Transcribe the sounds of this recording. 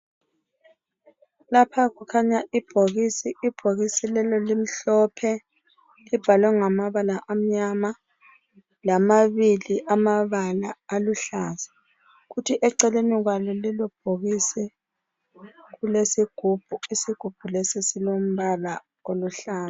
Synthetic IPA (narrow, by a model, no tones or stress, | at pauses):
lapʰakukʰaɲaʔib̥ʱoɣisiib̥ʱoɣisilɛlɔlim̩ɬɔpʰɛ | lib̥ʱalwɛŋamaβalaʔam̩ɲama | lamaβiliʔamaβalaːluɬaːsḁ | ɣutʰiʔɛǀɛleniɣwalɔlilɔb̥ʱoɣisɛ | ɣulesiɡ̥ʱub̥ʱuisiɡ̥ʱub̥ʱulesisilom̩βala | oluɬaːn